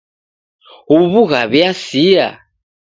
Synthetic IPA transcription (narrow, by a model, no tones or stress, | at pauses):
uβuɣaβɛasia̰